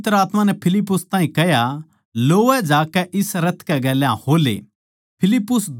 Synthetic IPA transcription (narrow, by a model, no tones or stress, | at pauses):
t̪əɾaːt̪mãnɛpʰɪlɪpːʊst̪ãːɦĩkɛɦja | loːɛd͡ʒaːkɛʔɪsɾɐt̪ʰkɛɡɛːlɛã̰hoːlḛː | pʰɪlɪpːʊsd̪